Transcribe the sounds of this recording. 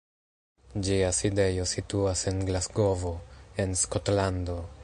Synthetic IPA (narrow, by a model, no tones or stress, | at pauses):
d͡ʒiaside̞jo̞situase̞nɡlasɡo̞vo̞e̞nsko̞tlando̞